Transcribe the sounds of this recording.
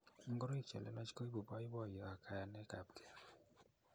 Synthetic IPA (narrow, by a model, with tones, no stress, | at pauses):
ŋ̩˦ɡɔ˦ɾɔ˦i˦˨t͡ʃɛ̰˨lɛ̰˦na˦t͡ʃi̥˦ko˦i˦bu˨pa˦ji˦bɔ˦˨jɔ˨a˨kʰa˨ja˨nɛ˦ka˨bkʰɛ̥˨